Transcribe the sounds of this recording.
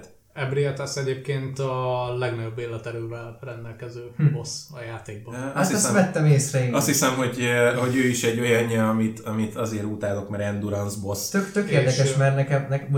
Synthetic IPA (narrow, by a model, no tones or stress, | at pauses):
t̪ | ɛbɾiɛt̪asɛɟeːp̚keːnt̪ɒlɛɡnɒɟo̞bːeːlːɛt̪ɛɾøːvɛlrɛnd̪ɛlkɛzøːbosɒjaːt̪eːɡ̚bɒat̪ɛsʋɛt̪ːɛmeːsrɛjiɒst̪hisɛmɦo̞ɟho̞ɟøːiʃɛɟːo̞jɒɲːɛɒmit̪ɒmit̪ɒzeːɾuːt̪aːlo̞kmɛɾɛnd̪uɾɒnzbo̞st̪økt̪økeːrd̪ɛkɛʃmɛrnɛkɛmnɛk